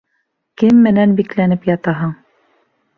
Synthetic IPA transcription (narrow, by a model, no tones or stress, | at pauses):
kɘmːɘ̆nænbiklænɘpjɑt̪ɑɦɤɴ